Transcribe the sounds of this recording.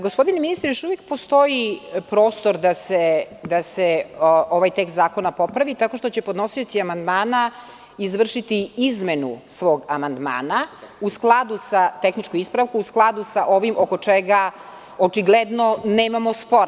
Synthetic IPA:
ɡospo̞d̪ineminist̪ɾejoʃuʋjek̚post̪o̞jipɾo̞ːst̪o̞ɾd̪ased̪aseoʋajt̪ekst̪zaːko̞napo̞pɾaʋit̪ako̞ʃt̪o̞t͡ɕe̞po̞d̪no̞sio̞t̪siamand̪maːna | izʋr̩ʃit̪iizmenusʋo̞ːɡamand̪ma̰ːnausklˠad̪usat̪exnit͡ʃkoispɾaʋkuusklˠad̪usaʔo̞ʋimʔoko̞t͡ʂeɡa | ot͡ʃiɡled̪noneːmamo̞spo̞ɾ

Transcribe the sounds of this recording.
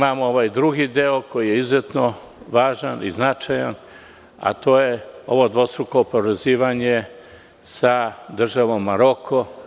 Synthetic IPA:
mamooʋaːjd̪ɾuɡid̪eoko̞jijeizjet̪no | ʋaːʒanʔḭznat͡ʃajan | a̰t̪o̞ːje̞o̞ʋo̞d̪ʋo̞st̪ɾuko̞poɾeziːʋaɲe̞ | sad̪r̩ʒaʋo̞mːaɾo̞kʰo

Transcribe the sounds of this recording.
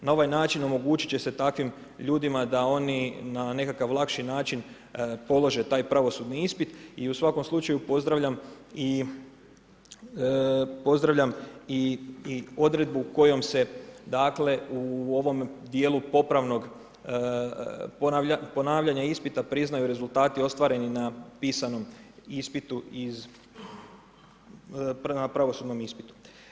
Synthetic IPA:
nao̞ʋajnaːt͡ʃino̞mo̞ɡuːt͡ʃi̥t͡ɕe̞se̞t̪akʋim | ʎuːd̪imad̪ao̞ninane̞kakaʋlˠakʃinaːt͡ʃin | po̞lˠo̞ʒe̞t̪aːjpɾaʋo̞sud̪niispit̪iusʋako̞mslˠut͡ʃajupo̞zd̪ɾaʋʎam | i | po̞zd̪ɾaʋʎami | o̞d̪ɾe̞d̪̚buko̞jo̞mse̞d̪aːkle̞uo̞ʋo̞md̪je̞ːlupo̞pɾaʋno̞ɡ | popo̞naːʋʎaɲaispit̪apɾiznajuɾe̞zulˠt̪aːt̪io̞st̪ʋaɾe̞ninapiːsano̞mispit̪uiz | napɾaʋo̞suːd̪no̞mispit̪u̥

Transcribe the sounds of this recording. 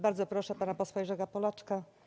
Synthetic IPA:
baɾd̪zɔpɾɔʂɛpanapɔswaʐɛɡapɔlat͡ʂka

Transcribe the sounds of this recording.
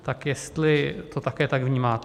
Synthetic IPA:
t̪akjɛst̪lɪt̪o̞t̪akɛːt̪aɡvɲiːmaːt̪

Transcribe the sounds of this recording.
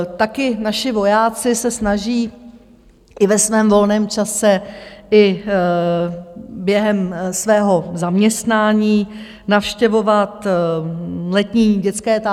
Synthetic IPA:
t̪akɪnaʃɪvo̞jaːt͡sɪsɛsnaʒiː | ʔɪvɛsvɛːmvo̞lnɛːmt͡ʃasɛʔɪ | bjɛɦɛmsvɛːɦo̞zamɲɛst̪naːɲiː | nafʃcɛvo̞vat̪ | lɛt̪ɲiːɟɛt͡skɛːt̪a

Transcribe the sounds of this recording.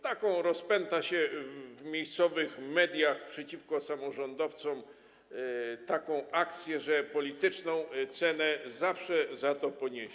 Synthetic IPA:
t̪akɔ̃w̃ɾɔspɛnt̪aɕɛvmʲjejst̪sɔvɘxmɛd̪ʲjaxpʂɛt͡ɕifkɔsamɔʐɔnd̪ɔft̪sɔm | t̪akɔ̃w̃akt̪sʲjɛʐɛpɔlʲit̪ɘt͡ʂnɔ̃w̃t̪sɛnɛzafʂɛzat̪ɔpɔɲeɕ

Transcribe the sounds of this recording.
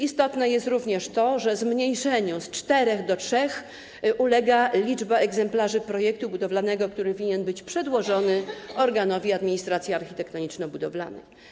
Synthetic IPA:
ist̪ɔt̪nɛjɛst̪ɾuvɲɛʂt̪ɔʐɛzmɲejʂɛɲɔ̃st͡ʂt̪ɛɾɛɣd̪ɔtʂɛx | ʔulɛɡalʲid͡ʐbaɛɡzɛmplaʐɘpɾɔjɛk̚t̪ubud̪ɔvlanɛɡɔkt̪uɾɘvʲiɲɛnbɘt͡ɕpʂɛd̪wɔʐɔnɘɔɾɡanɔvʲiad̪mʲiɲist̪ɾat̪sʲjiaɾxçʲit̪ɛkt̪ɔɲit͡ʂnɔbud̪ɔvla̰nɛ̰

